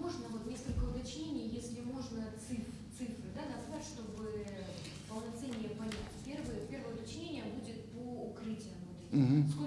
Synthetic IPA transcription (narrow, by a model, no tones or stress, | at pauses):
mo̞ʐnəvo̞t̪nʲe̞skəlʲkəʊt̪ɐt͡ɕnʲenʲɪjəjesʲlʲɪmo̞ʐnət̪sɨf | t̪sɨfɾɨd̪anɐzvatʲʂt̪o̞bɨ | pəlˠnɐt̪sɛnʲːɪjəpɐnʲætʲpʲervɨjəpʲervəjəʊt̪ɐt͡ɕnʲenʲɪjəbudʲɪt̪̚poːkɾɨtʲɪjənvot̪ɛt̪ʲɦsko